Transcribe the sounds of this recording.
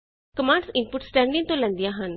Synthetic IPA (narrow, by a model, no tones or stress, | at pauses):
kəmãːɳɖsɪnpʊʈsʈɛːɳɖɪ̃ŋt̪õːlɛ̃nd̪ijãːɦən